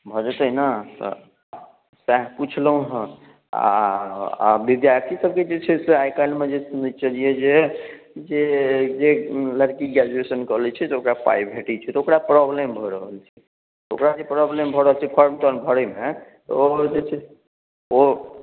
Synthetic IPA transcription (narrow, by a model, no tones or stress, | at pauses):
bʱɔd͡ʒət̪əɦnat̪ɔ̰ | saɦput͡ʃʰləɦũɦə̃ | a̰ | a̰bid̪jat̪ʰisəb̚ked͡ʒet͡ʃʰɛseajkamed͡ʒesunət͡ʃəlijed͡ʒe | d͡ʒed͡ʒeləɾkiɡad͡ʒuesənkəɦlɛt͡ʃʰɛseokɾapa̰jbʱeʈit͡ʃʰɛt̪ɔokɾapɾɔblembʱɔɾəɦəlt͡ʃʰɛ | t̪o̰kɾad͡ʒepɾɔblembʱɔɾəɦəlt͡ʃʰɛpʰəɾmt̪ənbʱəɾɛmet̪od͡ʒet͡ʃʰɛ | o